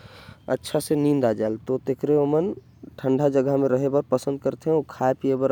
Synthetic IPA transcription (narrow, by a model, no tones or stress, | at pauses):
ə̰tːʃʰasenind̪ad͡ʒaelt̪ot̪ekɾeomən | ʈʰəɳɖʱad͡ʒəɡəɦmẽɾəɦebəɾpəsə̃nd̪̚kəɾt̪eɦɛ̃okʰaepiebəɾ